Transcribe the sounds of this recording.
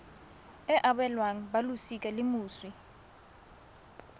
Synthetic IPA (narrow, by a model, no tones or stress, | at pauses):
ɛʔaɓɛlwaŋ̩ɓalusik̬ʼalimuːswi